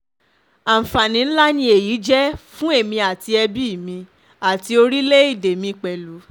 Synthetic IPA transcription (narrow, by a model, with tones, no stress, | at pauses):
a˨m̩˨fa˨nĩ˨˦n̩˦la˦nĩ˧e˨ji˨˦d͡ʒɛ˦fũ˦e˦˨mĩ˧a˨ti˧ɛ˧bi˦˨mĩ˧ | a˨ti˧o˧ɾi˦le˦i˦˨de˨mĩ˧k͡pɛ˨lu˨˦